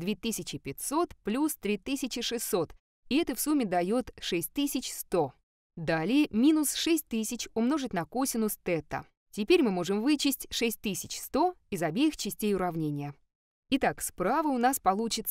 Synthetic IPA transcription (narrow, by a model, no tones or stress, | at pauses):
d̪vʲet̪ɨsʲɪt͡ɕɪpʲɪt̪ʲso̞t̪plʲust̪ɾʲit̪ɨsʲɪt͡ɕɪʂɨsːo̞t̪ | ɪɛt̪əfsumʲːɪd̪ɐjo̞t̪ʂɛsʲtʲt̪ɨsʲɪt͡ɕst̪o̞ | d̪alʲɪjəmʲinʊsʂɛsʲt̚ʲt̪ɨsʲɪt͡ɕʊmno̞ʐɨtʲnɐkosʲɪnʊst̪ɛt̪ə̰ | tʲɪpʲeɾʲmɨmo̞ʐɨmvɨt͡ɕɪsʲtʲʂɛsʲtʲt̪ɨsʲɪt͡ɕst̪o̞ɪzɐbʲejɪxt͡ɕɪsʲtʲejʊɾɐvnʲenʲɪjə | ɪt̪akspɾavəʊnaspɐlˠut͡ɕɪt̪s